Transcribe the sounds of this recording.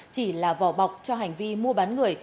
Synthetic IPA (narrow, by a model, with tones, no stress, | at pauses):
t͡ɕi˧˩laː˨˩vɔ̰˧˩wɓa˨˩wk͡p̚t͡ɕɔ˧ɦa˨˩jŋ̟vi˧mu˧əɓaː˨˦nŋɨ˨˩əj